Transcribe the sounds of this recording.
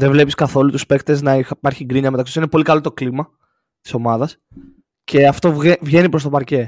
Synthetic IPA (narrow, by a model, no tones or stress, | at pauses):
ðevle̞piskɐθo̞lut̪uspe̞kt̪eznɐipɐɾçiɡɾiɲɐmet̪ɐksisinepo̞likɐlo̞t̪o̞klimɐ | t̪iso̞mɐðɐs | cʰe̞ɐft̪o̞vʝe̞nipɾost̪o̞pɐɾce̞